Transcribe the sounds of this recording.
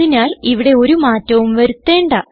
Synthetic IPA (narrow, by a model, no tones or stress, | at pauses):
inaːliʋiɽe̞o̞ɾumaːtːɐʋumʋɐɾut̪ːe̞ːɳɖaː